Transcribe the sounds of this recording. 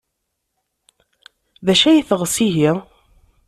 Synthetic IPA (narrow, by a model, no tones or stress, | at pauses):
ðæʃæjiθəʁəsiɦiʁ